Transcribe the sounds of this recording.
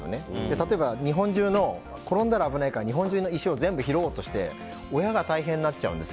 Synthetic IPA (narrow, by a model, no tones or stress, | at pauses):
o̰ned̪e̞t̪at̪o̞e̞baɲ̟iɦõ̞ɲ̟d͡ʑɨːno̞ | ko̞ɾõ̞nd̪aɾaːbɯ̟naikaɾaɲiɦõ̞ɲ̟d͡ʑɨːnoiɕio̞zẽ̞mbɯ̟çiɾo̞ːt̪o̞ɕi̥t̪e̞̰ | o̞jaɡat̪aiɦẽ̞nːat͡ɕt͡ɕa̰ɯ̟̃nd̪e